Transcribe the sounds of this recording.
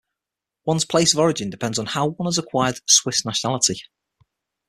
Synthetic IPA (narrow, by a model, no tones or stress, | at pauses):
wʌ̃nz̥pʰl̥eɪsəvɒɹɪd͡ʒɪ̃ndɪpʰɛ̃ndzn̩haʊwʌ̃nəzəkʰw̥aɪəd̥swɪsnaʃənalɪtɪ